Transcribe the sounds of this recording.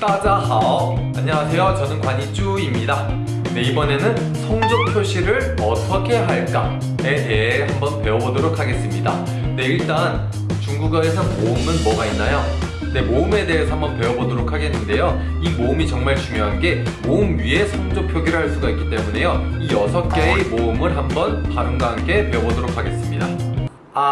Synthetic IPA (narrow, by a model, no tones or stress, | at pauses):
t͈ad͡ʑaɦaaɲːʌwasʰe̞jot͡ɕʌnɯnkwaɲit͡ɕ͈uimɲida | ne̞ibʌne̞nɯn | sʰʌŋd͡ʑopʰjoɕʰiɾɯɾ | ʌtʰʌkʰe̞ɦaɭk͈a̰ | edeɦehambʌnpe̞ʌbodoɾokʰaɡe̞s͈ɯmɲida | nde̞iɭt͈an | t͡ɕuŋɡuɡaɡesʰʌmoɯmɯnmʌɡainːajo | nde̞moɯme̞de̞esʰʌhambʌnpe̞ʌbodoɾokʰaɡe̞nːɯnde̞jo | imoɯmit͡ɕʌŋmaɭt͡ɕumjoɦanɡe̞ | moɯmɥie̞sʰʌŋd͡ʑopʰjoɡiɾɯɭɦaɭs͈uɡaik͈it͈e̞mune̞jo | ijʌsʰʌk͈eemoɯmɯɭɦambʌnpaɾɯnɡaɦank͈ʰe̞pe̞ʌbodoɾokʰaɡe̞s͈ɯmɲida | a